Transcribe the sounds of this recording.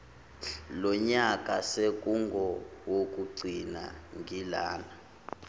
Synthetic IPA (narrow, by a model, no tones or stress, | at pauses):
lɔɲakʼasek̬ʼuŋɡʱɔwok̬ʼuɡ͡ǀʱina̰ŋʱila̰ːna